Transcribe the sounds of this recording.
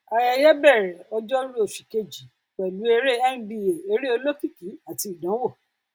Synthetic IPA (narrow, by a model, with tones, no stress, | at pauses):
a˧ja˧jɛ˦bɛ˦˨ɾɛ˨ɔ˧d͡ʒɔ˦ɾu˦o˨fi˨ke˧d͡ʒi˨˦ | k͡pɛ˨lu˨˦e˧ɾe˦ɛ˦n̩˦di˦˧e˨e˧ɾi˦o˧lo˦fi˦˨ki˨˦a˨ti˧˨dã˨˦wɔ˦˨